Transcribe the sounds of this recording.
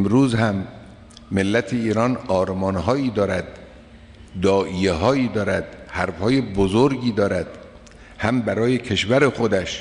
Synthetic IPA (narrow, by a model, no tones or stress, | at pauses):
mɾuːzhæmː | elːæt̪ʰeiːɾɒːnɒːɾmɒːnɦɒːiːd̪ɒːɾæd̪̚ː | ɒːʔijeɦɒːiːd̪ɒːɾæd̪̥hæɾfhɒːje̞bozoɾɡiːd̪ɒːɾæd̪̥̚ | hæmbæɾɒːje̞kʰe̞ʃvæɾe̞xod̪æʃ